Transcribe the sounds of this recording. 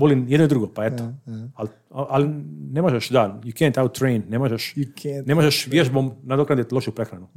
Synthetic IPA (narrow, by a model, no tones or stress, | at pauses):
ʋolinjed̪noid̪ɾuɡopaet̪oal | aʔalinemoʒeʃd̪ajukɛ̃nt̪awt̪ːɾejnnemoʒeʃnemoʒeʃʋjeʒbomnad̪okɾand̪et̪loʃupɾexɾanu